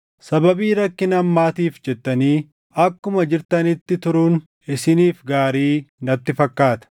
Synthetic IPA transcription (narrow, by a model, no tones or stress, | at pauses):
sɐbɐbiːɾɐkːɪnɐmːaːt̪iːfd͡ʒɛt̪ːɐniː | ɐkːʊmɐd͡ʒɪɾt̪ɐnɪt̪ːɪt̪ʊɾun | ɪsɪniːfɡaːɾiːnɐt̪ːɪfɐkːaːt̪ɐ̥